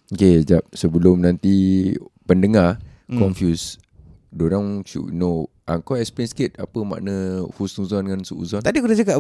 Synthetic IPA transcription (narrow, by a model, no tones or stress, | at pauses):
oked͡ʒap̚səbəlʊmnãnt̪ipəndəŋa | kɔmnfjus | doɾaŋsṵno | ʔaŋkɔɛkspiɾɛnskit̪̚apəma̰ʔnəhusuzɔndəŋansuʔṵzɔnt̪adikudad͡ʒakaʔ